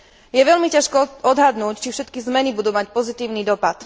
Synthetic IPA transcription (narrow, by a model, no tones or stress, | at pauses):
jɛʋɛlmicaʃkɔɔd̪ɦad̪nuːct͡ʃifʃɛt̪kizmɛnibud̪uːmacpɔzit̪iːʊniːd̪ɔpat̪